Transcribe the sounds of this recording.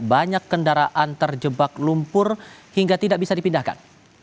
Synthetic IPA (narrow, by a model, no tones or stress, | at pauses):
baɲakːəndaɾaʔant̪ərd͡ʒəbaklumpʊrhiŋɡat̪idaʔbisadipindahka̰n